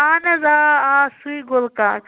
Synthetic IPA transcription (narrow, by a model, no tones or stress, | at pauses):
aːnɐzaːaːsuiɡolkaːk